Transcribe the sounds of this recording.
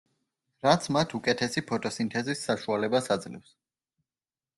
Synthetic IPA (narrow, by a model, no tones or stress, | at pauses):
ɾat̪sʰmat̪ʰukʼɛt̪ʰɛsipʰɔt̪ʼɔsint̪ʰɛzisːaʃualɛbasad̪zlɛ̰fs